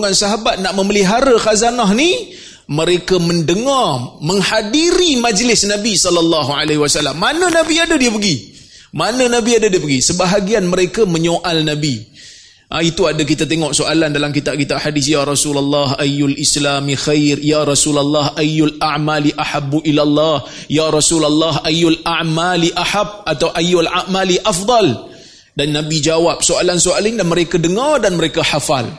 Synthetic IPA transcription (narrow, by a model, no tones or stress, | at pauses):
ŋansaɦabat̪̚naʔməməliɦaɾaxazanaɦni | məɾekaməndəŋarmə̃ŋhadiɾimad͡ʒlɪsnãbisɔlalːɑɦualeɦiwasalːamːanə̃nãbiadadiəpəɡi | manə̃nabiadadiəpəɡisəbaɦaɡianməɾekamə̃ɲoʔalnabi | ʔait̪uadak̬it̪at̪eŋɔʔsoʔalandalamkit̪ab̚kit̪aʔħadɪs̬jaɾˤɑsulalːɑɦajːʊlʔislamixajrjaɾˤɑsulalːɑhʔajːʊlaʕmaliʔaħabːuʔilalːɑh | jaɾˤɑsulalːɑɦajːʊlaʕmaliʔaħab̚at̪awʔajːʊlaʔmaliʔafd̪ˤɑl | danːãbid͡ʒawap̚soalansoalɲdanməɾekadəŋardanməɾekahafal